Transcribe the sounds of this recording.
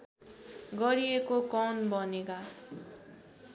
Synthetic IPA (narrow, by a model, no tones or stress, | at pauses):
ɡʌɾiekokʌnbʌneka